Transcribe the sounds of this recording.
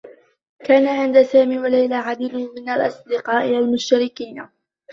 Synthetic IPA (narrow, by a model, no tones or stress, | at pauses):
kaːnaʕɪnd̪asaːmiːwalajlaːʕad̪iːd̪ʊmɪnalʔɑsˤd̪ɪqɑːʔɪʔalmʊʃt̪aɾɪkiːna